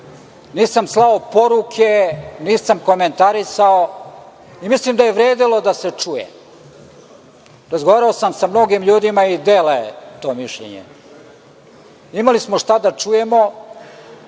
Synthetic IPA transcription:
niːsamslˠaopo̞ɾukʰeniːsamko̞me̞nt̪aɾisao | imislimd̪ajeʋɾeːd̪ilˠo̞d̪ase̞t͡ʂujḛ | ɾazɡoʋaːɾaosamsamno̞ɡimʎuːd̪imaid̪eːleet̪o̞ːmiʃʎḛɲḛ | imalismoʃt̪ad̪at͡ʂuje̞mo̞

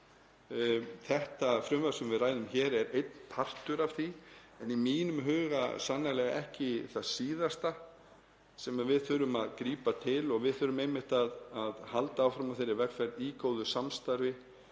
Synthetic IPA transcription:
θɛht̪afɾʏmvaɾsʏmvɪðraːjlʏmçɛːɾɛɾejt̪̚npʰar̥t̪ʏɾav̥θi | ɛnimiːnʏmɦʏːɣa̰sanːalɛɣaʔɛhcɪθaðsiːðast̪a | sɛmaðvɪðθʏɾʏmaðkɾiːpat̪ʰɪlɔɣvɪðθʏɾʏmejmɪht̪aðaðhalt̪aːwfɾamavθejɾːɪvɛkfɛɾðiːkowðʏsamst̪aɾvɪ

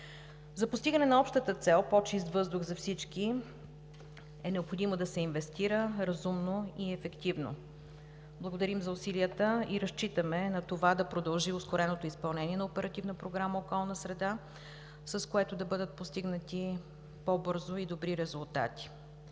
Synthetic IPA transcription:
zɐpʊst̪iɡənɛnɐɔpʃt̪ət̪ət̪sɛlˠpɔt͡ʃist̪vɤzd̪ʊɣzɐfsit͡ʃki | ɛnɛopxod̪imod̪ɐsɛinvɛst̪iɾəɾɐzumnoiɛfɛkt̪ivno̰ | blˠəɡod̪ɐɾimzɐʊsiliət̪əiɾɐst͡ʃit̪əmɛnɐt̪ovad̪ɐpɾod̪əlˠʒiʊskoɾɛnot̪oispɐlˠnɛnʲiɛnɐopɛɾɐt̪ivnəpɾoɡɾaməokɔlˠnəsɾɛd̪a | səskoɛt̪od̪ɐbɤd̪ət̪̚post̪iɡnət̪i | pobɤɾzoid̪obɾiɾɛzulˠt̪a̰t̪i̥

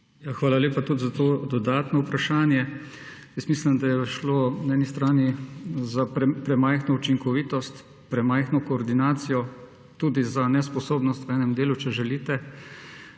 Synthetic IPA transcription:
jaxʋaːlaleːpat̪ud̪zat̪oːd̪ɔd̪aːt̪nɔupɾaʃaːnjɛ | jəst̪mislimd̪ajɛʃloːnɛːnist̪ɾaːnizaɾɛpɾɛmajxnɔut͡ʃiŋkɔʋiːt̪ɔst̪ | pɾɛmajxnɔkɔːɾd̪inaːt̪sijɔ | t̪ud̪izanɛspɔsoːbnɔst̪ʋɛːnɛmd̪eːlut͡ʃɛʒɛliːt̪ɛ

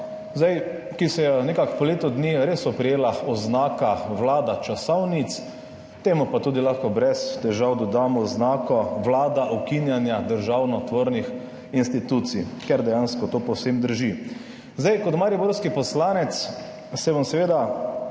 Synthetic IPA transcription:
zaj | kisɛjɛnɛkakpɔleːt̪ɔd̪niɾesɔpɾɛjeːlaɔznaːkawlaːd̪at͡ʃasɔwnit̪s | t̪eːmupat̪uːd̪ilaxkɔbɾɛst̪ɛʒawd̪ɔd̪aːmɔznaːkɔʋlaːd̪aʔɔkinjanjad̪əɾʒawnɔt̪ʋoːɾnix | inst̪it̪ut̪sḭkɛɾd̪ɛjaːnskɔt̪oːpɔwsemd̪əɾʒi | zd̪ajkɔt̪maɾiboɾskipɔslaːnɛt̪sː | ɛʋansɛʋeːd̪a

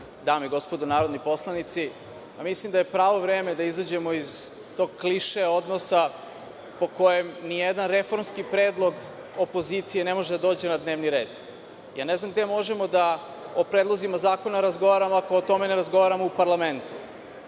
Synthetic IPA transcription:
d̪aːmiɡo̞spo̞d̪onaːɾod̪nipo̞slˠanit̪si | jamislimd̪aje̞pɾaːʋo̞vɾeːme̞d̪aizad͡ʑe̞moiz | t̪o̞ɡ̚kliʃeo̞d̪nosa | po̞ko̞je̞mnijed̪anɾe̞fo̞ɾmskipɾeːd̪lˠo̞ɡ | opo̞zit̪sijenemo̞ʒed̪ad̪oːd͡ʑe̞nad̪ne̞ːʋniɾe̞ːd̪̥ | ja̰ːneznamɡd̪emo̞ʒemo̞d̪a | opɾed̪lˠo̞zimazaːko̞naɾazɡo̞ʋaɾamoakoot̪o̞me̞neɾazɡo̞ʋaɾamoupaɾlˠament̪u̥

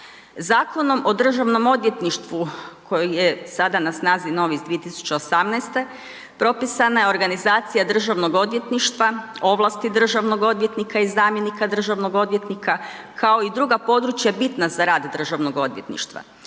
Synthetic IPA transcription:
zaːko̞no̞mʔo̞d̪r̩ʒaʋno̞mo̞d̪ʋje̞t̪niʃt̪ʋukʰo̞jijesad̪anasnaːzino̞ʋizd̪ʋije̞t̪isu̥t͡ɕe̞osamnajst̪e̞ | pɾo̞pisanajeo̞ɾɡanizaːt̪sijad̪r̩ʒaʋno̞ɡo̞d̪ʋje̞t̪niʃt̪ʋao̞ʋlˠast̪id̪r̩ʒaʋno̞ɡo̞d̪ʋje̞t̪nikaizaːmje̞nikad̪r̩ʒaʋno̞ɡo̞d̪ʋje̞t̪nikʰa | kʰao̞id̪ɾuɡapo̞d̪ɾut͡ʃjabit̪nazaɾaːd̪d̪r̩ʒaʋnoɡo̞d̪ʋje̞̰t̪nḭʃt̪ʋa̰

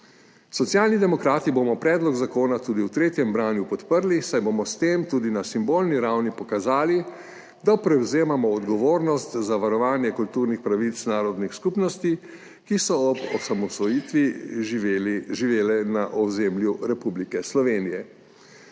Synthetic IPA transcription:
sɔt̪sjaːlnid̪ɛmɔkɾaːt̪iboːmɔpɾɛːd̪lɔɡzakoːnat̪uːd̪iwt̪ɾeːt̪jɛmbɾaːnjupɔt̪pəɾlisajbomɔst̪eːmt̪uːd̪inasimboːlniɾawnipɔkazaːli | d̪apɾɛwzeːmamɔːd̪ɡɔʋoːɾnɔst̪zaʋaɾɔʋaːnjɛkult̪uːɾnixpɾaʋit̪snaːɾɔd̪nixskupnɔst̪i | kisɔɔbɔsamɔsʋɔjit̪ʋi | ʒiʋeːlɛnaʔɔzemljuɾɛpublikɛslɔʋeːnijɛ

